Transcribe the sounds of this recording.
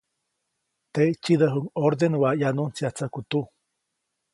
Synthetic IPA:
t̪et͡ʃid̪əɦuŋoɾd̪enwajanunsjat͡sakut̪u

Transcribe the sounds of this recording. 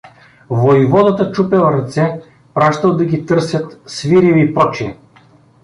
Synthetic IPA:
vojvɔd̪ɐt̪ət͡ʃupɛlˠɾɐt̪sɛ | pɾaʃt̪əlˠd̪ɐɡʲit̪ɤɾsʲɐt̪sviɾiviːpɾɔt͡ʃiɛ

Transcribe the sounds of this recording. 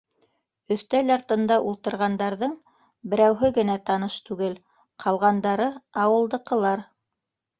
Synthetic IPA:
ɵ̆θt̪ælɑɾt̪ɤ̆nd̪ɑʔulˠt̪ɤ̆ɾʁɑnd̪ɑɾðɤɴ | bɘ̆ɾæwɦɘɡɘ̆næt̪ɑnɤʃt̪ʉɡɘl | qʰɑlˠʁɑnd̪ɑɾɤɑwɤ̆lˠd̪ɤ̆qɤ̆lˠɑɾ

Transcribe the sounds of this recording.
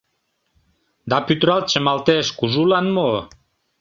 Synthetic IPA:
d̪ɑpyt̪ɾɑl̚t͡ɕəmɑlt̪eʃkuʒulɑnmo

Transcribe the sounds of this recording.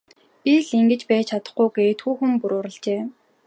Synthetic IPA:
pʲiɮiŋɡɘ̆t͡ɕpæːt͡ɕʰat̪ə̥̆χɡujɡeːt̪xuːxɘ̆mpuɾʊːɾə̆ɮt͡ɕeː

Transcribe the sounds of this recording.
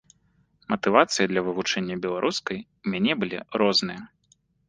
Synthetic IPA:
mɐt̪ɨvat̪sɨjɐd̪lʲɐvɨvut͡ʂɛnʲːɐbʲɛlˠaɾʔuskɐj | wmʲanʲɛbɨlʲḭɾɔznɨjɐ

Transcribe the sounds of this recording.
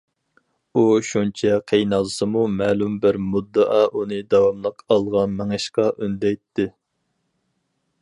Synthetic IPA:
uʃunt͡ʃʰɛqʰejnɑlˠɨsɨmumæːlumbɪɾmud̪ːɑʔɑʔunɨd̪ɑwɑmlˠəqʰɑlˠʁɑnmɛŋɛʃqɑʔynd̪ɛjt̪ʰːɪ

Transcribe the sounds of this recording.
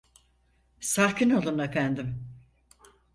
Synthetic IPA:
saːkinolˠunefænd̪im

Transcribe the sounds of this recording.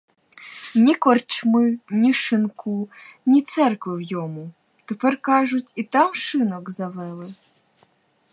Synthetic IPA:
nʲikɔrt͡ʃmɨnʲiʂɨnkunʲit̪sɛrkvɨwjɔmu | t̪ɛpɛrkaʐut͡sʲit̪amʂɨnɔɡzavɛlˠɨ

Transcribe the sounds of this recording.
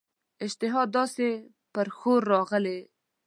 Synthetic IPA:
ɪd͡ʒt̪ɪɦɑd̪ːɑse | pəɾxoɾːɑɣəle

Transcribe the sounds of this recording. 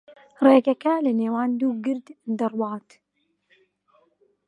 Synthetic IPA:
reːɡɐkɐlɪneːwaːnd̪uːɡɨɾd̪nd̪ɨrˤwɑːt̪

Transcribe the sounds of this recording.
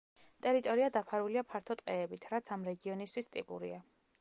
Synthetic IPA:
t̪ʼɛɾit̪ʼɔɾiad̪apʰaɾuliapʰaɾt̪ʰɔt̪ʼqʼɛːbit̪ʰɾat̪sʰamɾɛɡiɔnist̪ʰwist̪ʼḭpʼṵɾḭa

